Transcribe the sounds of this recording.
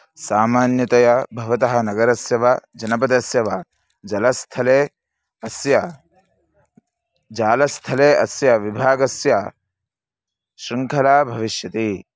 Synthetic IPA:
saːmaːnjɐt̪ɐjɐbʱɐʋɐt̪ɐɦɐnɐɡɐɾɐsjɐʋɐd͡ʒɐnɐp̬ɐd̪ɐsjɐʋɐ | d͡ʒɐlɐst̪ʰɐleː | ɐsjɐ | d͡ʒaːlɐst̪ʰɐleːʔɐsjɐʋibʱaːɡɐsjɐ | ʃɾiŋkʰɐlaːbʱɐʋiʃjɐt̪i

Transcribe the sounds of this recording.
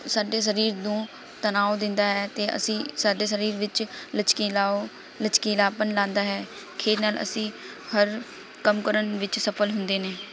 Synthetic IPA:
saːɖeːs̬əɾiːɾd̪õː | t̪ənaːod̪ɪnd̪aːɦɛːt̪eːʔə̰sĩːsaːɖeːsəɾiːɾʋɪt͡ʃlət͡ʃkiːlaːo | lət͡ʃkiːlaːpənlãːnd̪aːɦɛː | kʰeːɾnaːlə̰sĩː | həɾ | kəmkəɾənʋɪt͡ʃsəpʰəlɦʊnd̪eːneː

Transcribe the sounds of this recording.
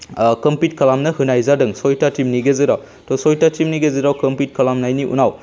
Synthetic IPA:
kɐmpit̚kʰɐlamnɐhɯnajzadɯŋsɔjtatimniɡezɯɾaw | tɔsɔjtatimniɡezɯɾawkɐmpit̚kʰɐlamnajniʔṵnaw

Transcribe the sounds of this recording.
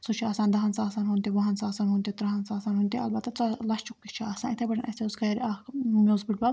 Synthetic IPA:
sut͡ʃʰiaːsaːnd̪ɐɦɐnsaːsaːnɦunt̪iʋɐɦɐnsaːsaːnɦunt̪it̪ɾɐɦɐnsaːsaːnɦunt̪iɐ̰lbɐt̪ːɐt͡sɐlɐʃt͡ʃukːit͡ʃʰiaːsaːnit̪ʰɐbɐʈʰɐnʔɐsʲt̪ʲeuzkɐɾamʲoːzbiʈ̚bɐ

